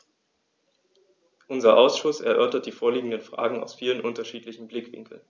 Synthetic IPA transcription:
ʔʊnzɐʔaʊsʃʊsɛɐʔœɐtɐt̚d̥iːfoːɐliːɡŋ̩dənfʁ̥a̰ːɡŋ̩a̰ʊsfiːlənʔʊntɐʃiːtlɪçn̩blɪkv̥ɪ̰ŋkl̩n

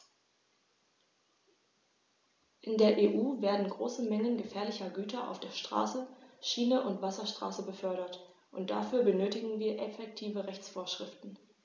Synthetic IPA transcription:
ʔɪndeːɐʔeːʔuːveːɐdn̩ɡʁo̰ːsəmɛŋənɡəfɛːɐlɪçɐɡyːtɐʔa̰ʊfd̥eːɐʃtʁ̥a̰ːsəʃiːnəʔʊntv̥asɐʃtʁ̥a̰ːsəbəfœɐɾɐt | ʔʊntd̥a̰fyːɐbənøːtɪɡŋ̩viːɐʔɛfɛk̚tʰiːvəʁɛçt͡sfoːɐʃʁ̥ɪftn̩

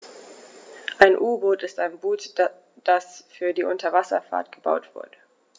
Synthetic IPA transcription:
ʔaɪnʔuːboːtɪstaɪnbuːt | d̥asfyːɐdiːʔʊntɐvasɐ̰fa̰ɐtɡ̥əba̰ʊtv̥ʊ̰ɐdə

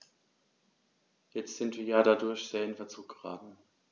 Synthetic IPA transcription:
jɛt͡stz̥ɪntv̥iːɐjaːɾadʊɐçz̥eːɐɪnfɛɐt͡suːk̚ɡ̥əʁaːtn̩

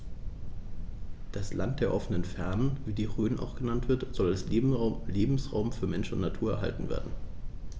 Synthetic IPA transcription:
d̥aslant̚d̥eːɐʔɔfənənfɛɐnənviːdiːʁøːnʔa̰ʊxɡ̥ənantv̥ɪɐtz̥ɔlalsleːbm̩sʁa̰ʊmfyːɐmɛnʃn̩ʊ̰ntnatʰuːɐɛɐɦa̰ltn̩vḛːɐdn̩

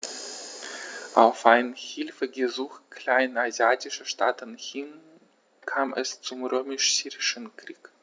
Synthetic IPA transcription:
ʔa̰ʊfʔaɪnhɪlfəɡəzuːxkʰl̥aɪnazjaːtɪʃəʃtʰaːtənhɪn | kʰaːmɛ̰st͡sʊmʁøːmɪʃz̥yːʁɪʃənkʁ̥iːk

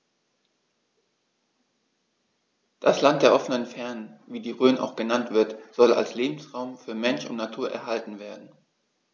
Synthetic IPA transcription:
d̥aslantd̥eːɐʔɔfənənfɛɐnənviːdiːʁøːnʔa̰ʊxɡ̥ənantv̥ɪɐtz̥ɔla̰lsleːbm̩sʁaʊmfyːɐmɛnʃʊ̰ntnatʰuːɐʔɛ̰ɐɦaltn̩veːɐdn̩

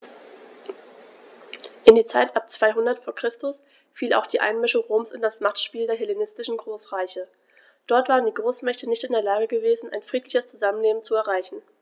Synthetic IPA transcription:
ʔɪndiːɐt͡saɪtʔap̚t͡sv̥aɪɦʊndɐtfoːɐkʁ̥ɪstʊs | fiːla̰ʊxd̥iːʔa̰ɪnmɪʃʊŋʁoːmsɪndasmaχtʃpiːldeːɐɦɛlenɪstɪʃn̩ɡʁoːsʁaɪçə | d̥ɔɐtv̥aːʁəndiːɡʁoːsmɛçtənɪçtɪndeːɐlaːɡəɡəveːzn̩ʔa̰ɪnfʁ̥iːtlɪçəst͡suzamənleːbm̩t͡suɛɐʁaɪçn̩

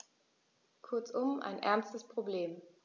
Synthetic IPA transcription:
kʰʊɐt͡sʔʊmʔa̰ɪnʔɛɐnstəspʁ̥obleːm

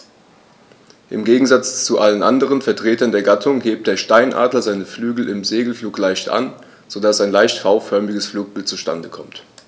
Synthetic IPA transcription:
ʔɪmɡeːɡŋ̩zat͡st͡suʔalənʔandəʁ̞ənfɛɐtʁ̥eːtɐndeːɐɡatʰʊŋheːp̚t̚d̥eːɐʃtaɪnʔa̰ːdlɐzaɪnəflyːɡl̩ɪmzeːɡl̩fluːklaɪçtʔa̰n | z̥odasaɪnlaɪçtfaʊfœɐmɪɡəsfluːk̚b̥ɪltt͡suʃta̰ndəkʰɔmt

